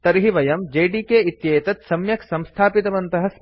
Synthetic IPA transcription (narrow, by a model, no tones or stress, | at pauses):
t̪ɐɾɦiʋɐjɐmd͡ʒeːɖiːkeːit̪jeːt̪ɐt̪sɐmjɐksɐmst̪ʰaːpit̪ɐʋɐnt̪ɐɦɐs